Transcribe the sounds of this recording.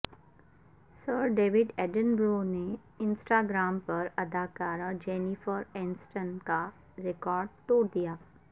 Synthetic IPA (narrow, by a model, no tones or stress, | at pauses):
səɾɖeːʋɪɖɛɖə̃nbɾoːne | ɪ̃nsʈaːɡɾaːmpɐɾɐd̪ʱaːkaːɾad͡ʒeːnifəɾɛ̃ːnsʈənka | ɾekɔːɾɖt̪oːɽd̪ijaː